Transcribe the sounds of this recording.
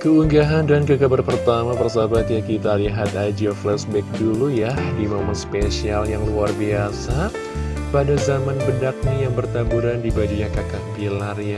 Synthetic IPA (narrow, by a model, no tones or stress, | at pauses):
kəuŋɡaɦandankəkabərpərt̪amapərsabat̪jakit̪aliɦat̪ad͡ʒiɔflɛsbɛk̚dulujadimamanspesialjaŋluarbiasa | padazamanbədak̚najaŋbərt̪abuɾandibad͡ʒuɲakakapilarja